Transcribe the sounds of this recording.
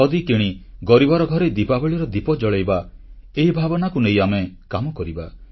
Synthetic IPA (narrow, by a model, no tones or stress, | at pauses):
ɔd̪ikiɽ̃iɡɔɾibɔɾɔɡʱɔɾed̪ipabɔɭiɾɔd̪ipɔd͡ʒɔɭejbaeɦibʱabɔnakunejamekamɔkɔɾiba